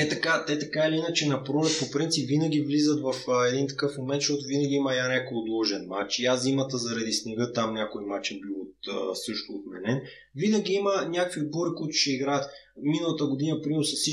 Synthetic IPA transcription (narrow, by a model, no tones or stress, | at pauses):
ɛt̪ɐkat̪ɛt̪ɐkailiinɐt͡ʃɛnɐpɾolɛt̪̚popɾint̪sipvinɐɡ̟ʲivlizət̪vɐfɛd̪int̪ɐ̥kɤfmomɛnt̪ʃt̪ɔt̪ʊvinɐɡʲiimɐjanɛkolˠd̪oʒɛnmat͡ʃiazimɐt̪əzɐɾɐd̪isnɛɡɤt̪amnʲakoimat͡ʃɛbilˠot̪əsɤʃt̪ʊːt̪mɛ̰nɛn | vinəɡʲiimənʲakviboɾikuit̪ʊ̥ʃɛiɡɾaət̪minəlˠɐt̪əɡʊd̪inɐpɾimɾʊsɐsi